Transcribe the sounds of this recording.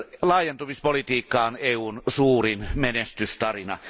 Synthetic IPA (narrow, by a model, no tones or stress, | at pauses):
lɑːˑjent̪umispolit̪iːkːɑːoneːuːnsuːrinmenest̪yst̪ɑrinɑ̰